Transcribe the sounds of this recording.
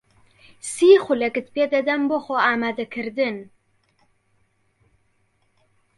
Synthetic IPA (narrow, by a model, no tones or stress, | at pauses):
siːxʷʊlɐkɨt̪̚peːd̪ad̪amboxoaːmad̪akʰɨɾd̪ɨn